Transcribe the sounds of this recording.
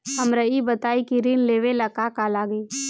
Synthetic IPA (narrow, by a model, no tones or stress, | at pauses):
ɦɐmɾəibət̪aːikiɾinleːʋelɐkakalaːɡiː